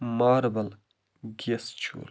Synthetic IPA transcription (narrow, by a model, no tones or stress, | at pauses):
maːɾbəl | ɡʲest͡ʃʰṵːl